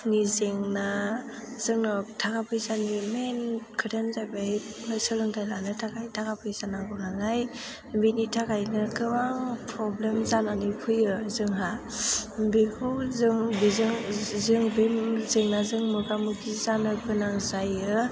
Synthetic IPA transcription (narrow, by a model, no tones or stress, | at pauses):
nizeŋna | z̥ɯŋnɔtʰakapʰɯjzanimenkʰɯɾʰenzajbajnɯjsɯlɯŋtʰajlanɯtʰakʰajtʰakapʰɯjzanaŋɡɯwnaŋzaj | binitʰakʰajnɯkɯbaŋpʰɾɔblemzananɯpʰɯjɯzɯŋɦa | bikʰɯwzɯŋbizɯŋzɯŋbemzɯŋnazɯŋmɯɡamɯkʰizanɯkʰɯnaŋzajɯ